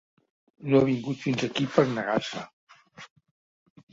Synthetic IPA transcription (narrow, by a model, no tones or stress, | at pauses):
noaβiŋɡut̪finzəkipəɾnəɣasə